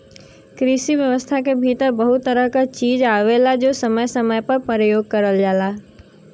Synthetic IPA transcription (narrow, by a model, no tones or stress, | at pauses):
kɾisiʋjəʋəst̪ʰakebʱit̪əɾbəɦʊt̪ːəɾəɦkat͡ʃiːd͡ʒaʋelad͡ʒoːsəməjsəməjpəɾpəɾəjoːɡ̚kəɾəld͡ʒaːla